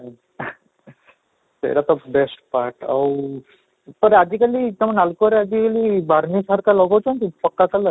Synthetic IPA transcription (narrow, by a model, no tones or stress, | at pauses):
t̪ḛɾat̪ɔbesʈpaɾʈa̰w | p̪əɾad͡ʒikalit̪amanalkɔɾead͡ʒikalibaɾnisaɾkalɔɡawt͡ʃʰant̪ipəkːak̪alə